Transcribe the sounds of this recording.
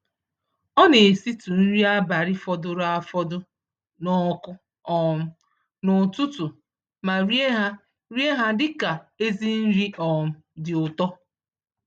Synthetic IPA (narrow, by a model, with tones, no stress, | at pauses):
ɔ˦ne˨e˨si˦tu˨n̩˦ɾi˦a˦ba˨ɾɪ˦fɔ˦dʊ˦ɾa˦fɔ˦dʊ˦ | nɔ˦kʊ˦ | ɔ˨m̩˦ | nʊ˨tʊ˦tʊ˨ | ma˨ɾi˦e˦ɦa˦ | ɾi˦e˦ɦa˦dɪ˦ka˨e˦zi˦n̩˦ɾi˦ɔ˨m̩˨ | dɪ˨ʊ˨tɔ˦